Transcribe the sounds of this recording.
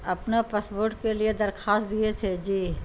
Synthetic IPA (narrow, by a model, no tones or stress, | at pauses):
ɐpnapaːsboːɾʈkelied̪ɐɾxaːst̪̚d̪iet̪ʰed͡ʒiː